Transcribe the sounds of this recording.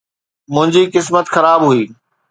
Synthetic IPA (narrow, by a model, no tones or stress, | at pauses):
mʊ̃ɦɪ̃ɲd͡ʑiːkɪsmət̪xɐɾaːbɦuiː